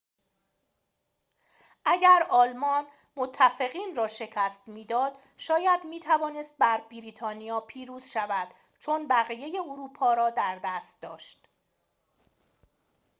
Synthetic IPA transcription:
ʔæɟæɾɒːlmɒːn | mot̪ʰːæfe̞ɣiːnrɒːʃe̞cʰæst̪miːd̪ɒːd̪̥ | ʃɒːjæd̪miːt̪ʰævɒːne̞st̪̚bæɾbiɾiːt̪ʰɒːnijɒːpʰiːɾuːz̥ʃævæd̪̥ | t͡ʃʰo̞nbæɣije̞je̞oɾuːpʰɒːɾɒːd̪æɾd̪æst̪̚d̪ɒ̰ːʃt̪

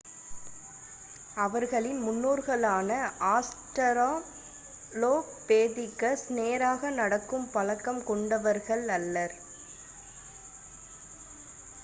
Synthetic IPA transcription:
ɐʋɐɾɣɐɭɪnmʊnːoːɾɣɐɭaːnɐʔaːsʈɐɾaː | loːkpeːðɪkːɐsneːɾaːɣɐnɐɽɐkːɯmpɐlɐkːɐmkɔɳɖɐʋɐɾɣɐɭɐlːɐɾ

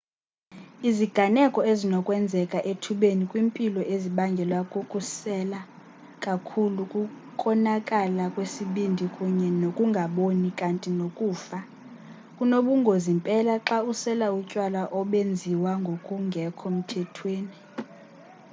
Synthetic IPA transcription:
iziɡ̥ʱanɛkʼɔezinɔkʼwɛnd͡zʱɛkʼaʔetʰuɓenikʼwiːmpʼilɔʔeziɓaŋɡʱɛlwakʼukʼusɛla | kʼakʰulukʼukʰʼɔnakʼalakʼwesiɓindʱikʼuɲɛnokʼuŋɡʱaɓonikʼantʼinokʼuːfa | kʼunoɓuŋɡʱozimpʼɛlaǁausɛlaucʼwalaʔɔɓend͡zʱiwaŋɡʱokʼuŋɡʱɛkʰɔm̩tʰɛtʰweːni

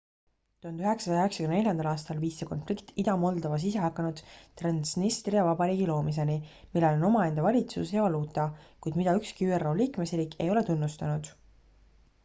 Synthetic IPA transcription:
t̪uond̪yɦe̞ksɑsɑjɑeksɑ̥kymene̞ljɑnd̪̥ɑlɑːst̪ɑlviːsːeko̞nflikt̪id̪ɑmo̞ld̪ɑvɑs̬ise̞ɦɑkːˑɑnud̪̥t̪rɑnsnist̪riɑvɑb̥ɑɾiːɡilo̞ːmis̬e̞nimilːelo̞no̞mɑe̞nd̪̥ɑvɑlʲit̪sṵsjɑvɑluːt̪ˑɑkujd̪̥mid̪ɑykskiyːero̞ːliːkme̞sriːkːe̞̰jo̞le̞t̪unːust̪ɑnud̪̥

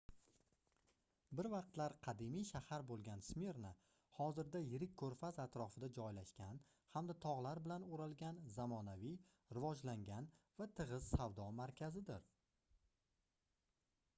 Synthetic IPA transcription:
bɪɾvɑq̚t̪laɾqʰɑd̪ɪmijʃahaɾbolˠɡʲansmeɾnɪ | hɒzɪɾd̪ajɪɾɪk̚ʲʰːɵɾfazat̪ɾɒfɪd̪ad͡ʒɒjlaʃkʲan | hamd̪at̪ʰɒʁlˠaɾbɪlanoɾalɡʲanzamɒnavij | ɾɪvɒd͡ʒlaŋɡʲanvat̪ʰɨʁɨz̥sawd̪ɒmaɾkʲʰazɪd̪ɪɾ

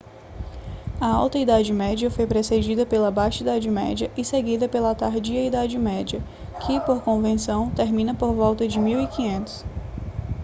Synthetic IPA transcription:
ɐawt̪ɐid̪ad͡ʒɪmɛd͡ʒiɐfojpɾesed͡ʒid̪ɐpelɐbaʃt͡ʃid̪ad͡ʒɪmɛ̰d͡ʒɐʔɪseɡid̪ɐpelɐat̪aɾd͡ʒiɐid̪ad͡ʒɪmɛd͡ʒɐ | kʰɪpoɾkõvẽsɐ̃w̃t̪eɾmĩnɐpoɾvɔwt̪ɐd͡ʒɪmiwikĩɲẽnt̪ʊ̥s

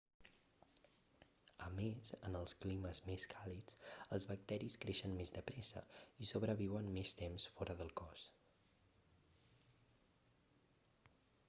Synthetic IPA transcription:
əmezənəlˠskliməzmeskʰalit͡səlˠzβək̚t̪ɛɾiskɾeʃənmezd̪əpɾɛsə̰isoβ̞ɾəβiwənmest̪emsfɔɾʔəðəlˠkɔs

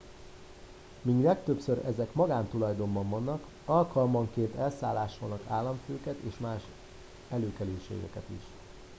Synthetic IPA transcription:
miɡlɛkt̪øpsøɾɛzɛkmɒɡaːnt̪ulɒjd̪o̞mbɒɱvɒnːɒk | ɒlkɒlmɒŋkeːnt̪ɛlsa̰ːlːaːʃolnɒkaːlːɒɱføːkɛt̪eːʃmaːʃ | ɛløːkɛløːʃḛːɡɛ̰kɛt̪ḭʃ

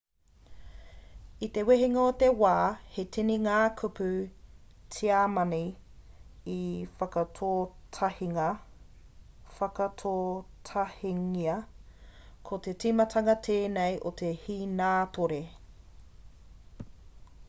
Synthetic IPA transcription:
it̪e̞weɦiŋɐot̪ewaːhetiniŋaːkʰʉpʉ | tʰiaːmɐni | ifɐkɐtʰoːtʰɐhiŋɐ | fɐkɐtʰoːtʰɐhiŋiɐ | kʰot̪e̞timɐt̪ʰɐŋɐt̪ʰeːnejʔot̪ehiːnaːtʰoɾe

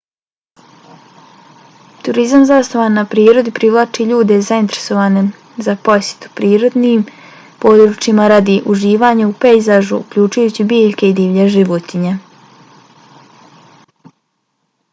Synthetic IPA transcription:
t̪uɾizamzast̪oʋanːapɾiːɾo̞d̪ipɾiʋlˠat͡ʃiʎuːd̪e̞zaint̪eɾe̥so̞ʋaːne | zapo̞sʲje̥t̪u̥pɾiːɾo̞d̪nim | po̞ːd̪ɾut͡ʃimaɾad̪iʔuʒiːʋaɲaupejzaʒuṵkʎuːt͡ʃujuːt͡ɕibiːʎke̞id̪iːʋʎeʒiʋot̪iɲe

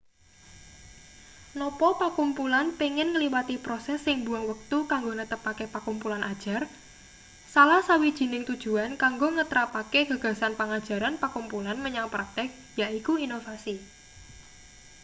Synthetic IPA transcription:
nɔpɔpakumpulanpiŋɪnŋəliwat̪ipɾosɛsːɪŋbuaŋwək̚t̪ukaŋɡonət̪əpakepakumpulanʔad̥ʒ̥a̤r | salahsawid̥ʒ̥i̤nɪŋt̪ud̥ʒ̥ṳankaŋɡoŋət̪ɾapakeɡ̥ä̤ɡ̥a̤sanpaŋad̥ʒ̥a̤ɾanpakumpulanməɲaŋpɾat̪ɛk̚ | jaʔikuinofasi

